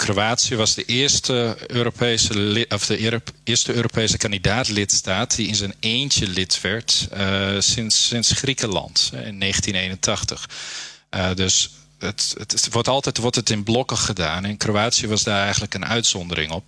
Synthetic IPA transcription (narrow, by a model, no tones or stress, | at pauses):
kroaːtsijəʋɑzdəʔɪɹstəøːɾopʰeːsəɔfdəɪəɹstəøːɾopejsəkandidaːtlɪtstaːtdiɪnzəneːntjəlɪtʋɛɹt | sɪnsɪnsχrikəlɑ̰ntɪ̰nːeːχəntineːjnəntʰɑxtəx | døs | ətʋɔɹtɑlˠtɛtʋɔɹtɛtɪnblɔkəχədaːnɛnkroaːtsiəʋɑzdaːrɛjɣən̩tləkənʔœ̰ɥtsɔndəɾɪ̰ŋɔp̚